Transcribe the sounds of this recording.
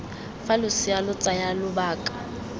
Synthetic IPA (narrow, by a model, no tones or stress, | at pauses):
falʊsɪalʊt͡sʼajalʊbaːkʼḁ